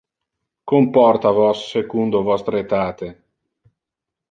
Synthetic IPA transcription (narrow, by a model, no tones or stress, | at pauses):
kompɔrt̪avɔsːekund̪ovɔst̪ɾeet̪aːt̪e